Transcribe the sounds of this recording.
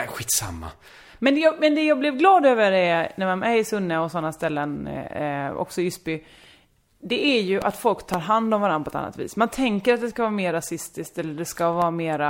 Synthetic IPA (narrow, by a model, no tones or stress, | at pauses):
ɧiːt̪sa̰mːa̰ | mɛnd̪jɑmɛnd̪ɛjɑːɡblɛvɡlɑːd̪øːvəɾɛnæɾmanæɾɪsɵnːəɔsɔnːast̪ɛlːən | ɔ̰ksɔʏspʏ | d̪ɛʔæɾjɵʔa̰t̪fɔlkt̪ʰɑːɾɦand̪ɔmvaɾanpɔɛt̪a̰nːa̰t̪vḭːsmant̪ʰɛŋkəɾat̪̚d̪ɛskavɑːɾameːɾːasɪst̪ɪsk̚t̪ɛlːəɖɛskavɑːɾameːɾa